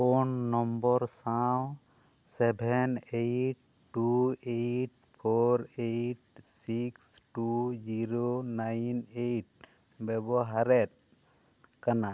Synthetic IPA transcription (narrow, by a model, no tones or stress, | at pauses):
onːɔmbɔɾsaw | sɛbʱɛnejʈ̚ː | uejʈ̚ | pʰɔɾejʈsiksʈud͡ʒiɾonajnejʈ̚ | bɛbɔɦaɾɛt̚ | kana